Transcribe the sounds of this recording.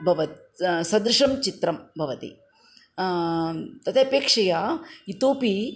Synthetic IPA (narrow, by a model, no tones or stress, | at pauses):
bʱɐʋɐt̪ | sɐd̪ɾuʂɐmt͡ʃit̪ɾɐmbʱɐʋɐt̪ḭ | t̪ɐt̪ʰeɐpeːkʂɐjait̪oːpi